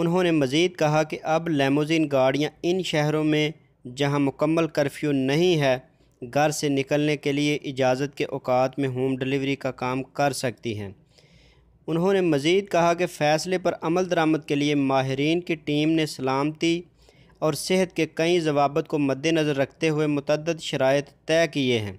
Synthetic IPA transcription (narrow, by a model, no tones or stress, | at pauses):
ʊnɦõnemɐziːd̪̚kɐɦakeʔɐblɛːmoːziːnɡaːɽijãɪnʃɛɦɾõmẽ | d͡ʒɐɦãmʊkəmːəlkəɾfʰjunɐɦĩɦɛː | ɡʱɐɾsenɪkəlnekelieʔɪd͡ʒaːzət̪̚keʔɔːkaːt̪mẽɦuːmɖɪlɪʋɾikakaːmkɐɾsɐk̚t̪iɦɛ̃ː | ʊnɦõnemɐziːd̪̚kɐɦakefʰɛːslepɐɾɐməld̪ɐɾaːmət̪̚keliemaːɦɪɾiːnkiʈiːmnesɐlaːmt̪i | ɔːɾsɪɦət̪̚kekɐĩzɐʋaːbət̪̚komɐd̪ːenɐzəɾːɐkʰt̪eɦʊemʊt̪əd̪ːəd̪ʃɐɾaːjət̪ːɛːkieɦɛ̰̃ː